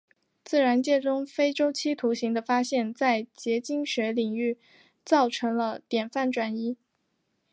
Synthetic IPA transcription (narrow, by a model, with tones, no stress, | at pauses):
t͡sɹ̩˥˩ɻa˧˥nt͡ɕjɛ˥˩ʈ͡ʂʊ˥ŋfe˥ɪʈ͡ʂo˥ʊt͡ɕʰi˥t̪ʰu˧˥ɕi˧˥ŋd̪ə˧fa˥ɕjɛ˥˧nt͡sa˥˩ɪt͡ɕjɛ˧˥t͡ɕi˥ŋɕɥɛ˧˥li˨˩ŋy˥˩ | t͡sɑ˥˩ʊʈ͡ʂʰɤ˧˥ŋlə˧t̪jɛ˨˩nfa˥˩nʈ͡ʂwa˥ni˥